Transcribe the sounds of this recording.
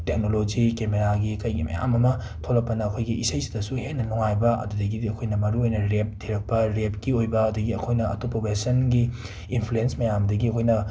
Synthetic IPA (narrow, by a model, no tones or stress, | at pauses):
tek̚nolod͡ʒikemeɾaɡikɐjɡḭmɐ̰ja̰mɐmɐ | tʰolɐkpːɐnɐːkʰojɡiisɐjsi̥dɐsuhenːɐluŋajbɐʔɐ̰dudɐɡidɐkʰojnɐmɐɾuojnɐɾep̚dʰiɾɐk̚pɐɾep̚kiojbɐːdɐɡiɐkʰojnɐɐ̰tupːɐbesɐnɡiː | npʰluensmɐjambdɐɡiɐkʰojnɐ